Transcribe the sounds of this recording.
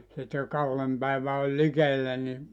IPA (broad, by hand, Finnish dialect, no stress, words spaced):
sit jo kɑlːem pæiʋæ olʲ likelːæ ni